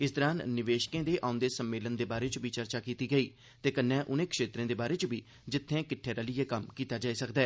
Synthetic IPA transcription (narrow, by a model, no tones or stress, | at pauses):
ɪsd̪əɾaːnnɪʋeːʃkẽːd̪eːʔãːʊ̃nd̪eːsəmːeːlənd̪eːbaːɾeːt͡ʃbiːt͡ʃəɾt͡ʃaːkiːt̪iːɡəiː | t̪eːkənːɛ̃ːʔʊnẽːkʰʃeːt̪ɾẽːd̪eːbaːɾeːt͡ʃbiː | d͡ʒɪt̪ʰːẽːkɪʈʰːeːɾəlɪːeːkəmkiːt̪aːd͡ʒaːiːsəkd̪aɛː